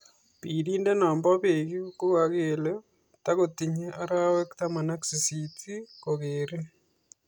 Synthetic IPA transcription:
pi˨ɾiː˦nde˦naː˨mba˦βeɡi˦ko˦ɣa˨ɣele | taɣoti˨ɲe˦ʔa˦ɾawe˦ktama˨na˦kse˨sitʰi˦koɣeːɾe˦

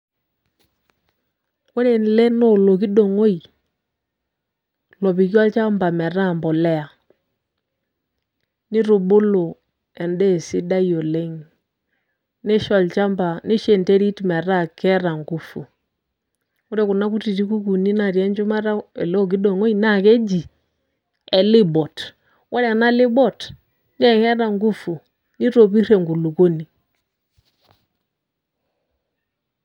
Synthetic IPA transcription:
ko˦ɾe˨n˨lɛ˦nɔ˦lo˨k̬i˦do˨ŋo˦i˨ | lɔ˨pi˨k̬ja˦lt͡ʃa˦mba˨mɛ˨ɾa˦˨mbɔ˨lɛ˦a˨ | ni˦ɾu˨ɓo˦lo˨ | ɛ˨ndɛ˦˨si˦da˦jo˨le˦ŋ | nɛ˦ʃa˨lt͡ʃa˦mba˨ne˦ʃe˨nte˦ɾi˦tmɛ˨ɾa˦˨kɛ˦ɾa˨ŋɡu˦fu˨ | u˦ɾɛ˦˨ku˨na˦ku˦ti˨ti˦ku˦ku˨ni˦na˨ɾi˨ɛ˦nd͡ʒu˦ma˦ɾa˦ɛ˨lo˦ɡ̬i˦do˨ŋo˦i˦na˦˨ke˦d͡ʒi˨ | ɛ˨li˦bɔ˨t | wʔa˦ɾa˨na˦li˦bɔ˦˨t | n˦ɛ˦˨kɛ˦ɾa˨ŋɡu˦fu˨ | ni˦ɾo˨pi˦ɾe˨ŋɡu˨lu˨ko˦ni˨

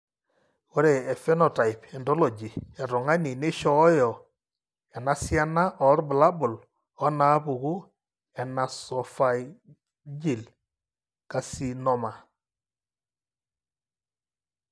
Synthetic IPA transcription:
wɔ˦ɾe˨ɛ˨fɛ˦nɔ˨ta˨jpɛ˨ndɔ˦lɔ˨d͡ʒi˨a˨ɾɔ˨ŋa˦ni˨ne˦ʃɔ˨˦jɔ˨ | a˨na˨˦sja˦na˦ʔɔ˨˦ɾbʊ˨la˦bʊ˨l | ɔ˦na˦βu˨ɣu˦ | ɛ˨na˨sɔ˨fa˨j | d͡ʒi˨l | ka˨si˨nɔ˨ma˨

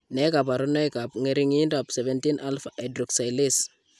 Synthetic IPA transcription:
ne˦ka˨p̬a˨ɾo˦na˦jka˨pŋe˦ɾi˦ŋi˦nda˨pse˨ve˦nti˦nʔa˦lfae˨dɾu˨ksa˨jli˦s

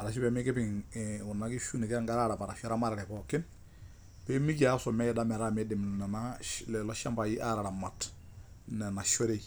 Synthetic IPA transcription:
a˨ɾa˨ʃi˦pɛ˨mɪ˦kɪ˦pɪ˨ŋʊ˨nːa˨˦kɪ˦ʃu˦ni˨kɛ˦ŋɡa˦ɾa˦ɾa˨pa˨ɾa˨ʃɔ˦ɾa˦ma˦ɾɪ˨ɾɛ˨kɔ˨kɪ˦n | pɛ˦mi˦ka˨˦sɔ˨mɛ˦jɛ˨da˦mɛ˨ɾa˦˨mɛ˦dɛ˨m˨nɛ˨na˦lɛ˨lɔ˦ʃa˦mpa˨ji˦ʔa˦ɾa˨ɾa˨ma˨t | nɛ˨na˨ʃɔ˦ɾe˦˨j

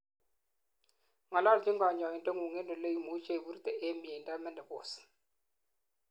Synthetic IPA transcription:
ŋa˨la˦ld͡ʒɪ˦ŋɡa˨ɲɔ˨i˨ndo˦ŋu˨ŋe˦ndɔ˨le˦i˦mu˨˦t͡ʃe˦˨βu˦ɾtɛ˨ʔe˦mi˨e˨nda˦mɛ˦ndɛ˨bo̰ː˨s

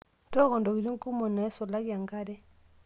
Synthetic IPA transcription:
tɔ˦kɔ˨ndɔ˨ki˨ɾi˦ŋ˦ku˦mɔ˨na˨ɛ˦sɔ˨la˦ki˦a˨ŋɡa˦dɛ˦

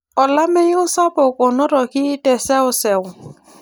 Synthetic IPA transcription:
ɔ˨la˦me˦ʊ˦sa˦pɔ˨kɔ˨nɔ˦ɾɔ˨ki˦tɛ˨sɛ˦ɔ˦sɛ˨ʊ˨

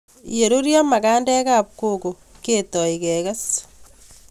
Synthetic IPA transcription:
je˨ɾo˦ɾja˦ma˨kaː˦ndɛ˦ka˦p̚koko˨ | ke˦tɔ˨ike˨ɣa˦s

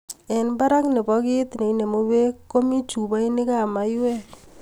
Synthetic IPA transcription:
ɛ˨nba˦ɾa˦knɪ˨bɔ˨kɪ˦t̪ne˨i˦ne˨mo˨we˦ko˦mi˦t͡ʃu˨ba˦i˦nɪ˦ka˦˨ma˨jwɛ˦

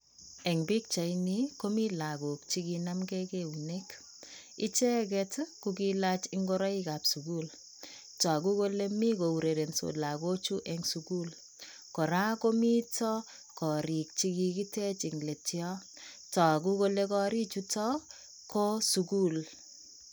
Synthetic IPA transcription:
ɛ˨ŋbi˦k̚t͡ʃa˨ini˦ko˦mi˦la˨ɡu˨k̚t͡ʃi˦ki˧na˦mɡe˦ke˦u˨ne˦k | i˦t͡ʃɛ˦kɛ˦tkukila˦t͡ʃi˦ŋɡo˦ɾɔ˦i˦ka˨psu˨ku˦l | tɔ˨k̬u˦ko˦le˦mi˦ko˨u˨ɾe˨ɾe˨nso̰˨la˨ɡo˦t͡ʃu˦ʔɛŋsuku˦l | kɔ˨ɾa˦ko˦mi˦tɔ˦ | kɔ˨ɾi˨k̚t͡ʃiki˧ki˦te˦t͡ʃi˨ŋle˨tjɔ˦ | tɔ˨k̬u˦ko˦le˦kɔ˦ɾi˦t͡ʃu˦tɔ˦ | ko˦su˨ku˦l

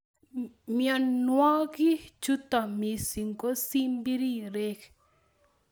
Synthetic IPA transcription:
mja˨nwa˦ɣi˦t͡ʃu˦t̪a˨mi˨si˨ŋko˦si˦mbi˦ɾi˦ɾe˦k

